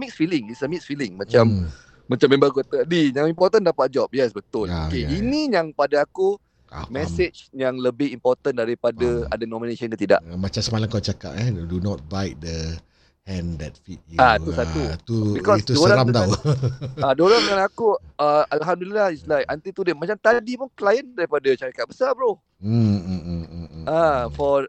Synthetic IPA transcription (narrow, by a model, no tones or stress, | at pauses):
miksfilɪŋisəmiksfilɪŋmãt͡ʃamː | ãt͡ʃambẽmbakot̪ədijaŋimpɔt̪əndapat̪̚d͡ʒɔp̚jɛsbət̪ʊlkeinĩjaŋpadaaku | mɛset͡ʃjaŋləbɪhimpɔrt̪əndaɾipadaa̰danɔmineʃɔnkət̪ida̰ʔmãt͡ʃamsəmalaŋkawt͡ʃaka̰p̚ɛdunɔt̚bajt̚də | hɛ̃ndɛt̚fit̪̚jat̪usat̪ut̪ubikɔist̪udsoɾaɾamt̪aw | adoɾaŋkanakuəalɦamdulilahislajʔant̪it̪udɪʔ̚mat͡ʃamt̪adipunklajəndaɾipadat͡ʃaɾikaʔ̪̚bəsabəloh̩ | afɔ